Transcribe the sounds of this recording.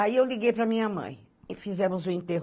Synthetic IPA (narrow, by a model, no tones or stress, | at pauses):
aiewliɡejpɾɐmĩɲɐmɐ̰̃j̃ | fizɛ̃mʊzʊĩt̪eɦ